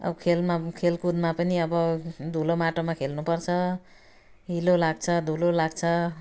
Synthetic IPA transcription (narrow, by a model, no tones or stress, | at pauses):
ʌ̰bʌkʰelmakʰelkud̪mapʌniʌbʌd̪ʱulomaʈomakʰelnupʌrt͡sʰʌ | ɦilolaɡ̚t͡sʰʌd̪ʱulolaɡ̚t͡sʰʌ